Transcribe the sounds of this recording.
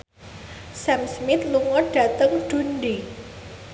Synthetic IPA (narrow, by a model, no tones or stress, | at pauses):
sɛmsmɪt̪luŋɔɖ̥a̤t̪əŋɖ̥ṳnɖi